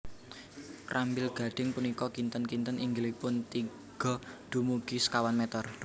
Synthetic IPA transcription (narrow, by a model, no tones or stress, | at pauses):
rʔambɪlɡ̥a̤ɖ̥ɪ̤ŋpunikɔkint̪ənkint̪ənʔiŋɡlipʊnt̪i | ɡ̥ɔ̤d̪̥ṳmuɡ̥iskawanmɛt̪ɔr